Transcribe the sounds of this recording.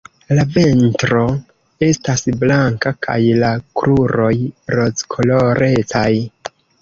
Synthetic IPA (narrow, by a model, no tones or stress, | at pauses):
lave̞ntɾo̞ | e̞stasblaŋkakʰa̰jlakɾʔuɾo̞jɾo̞t͡skʰo̞loɾʔe̞t͡saj